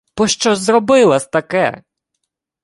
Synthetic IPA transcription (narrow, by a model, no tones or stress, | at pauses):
b̥ɔʃt͡ʃɔzrɔbɪlˠɐsʲt̪ɐkɛ̰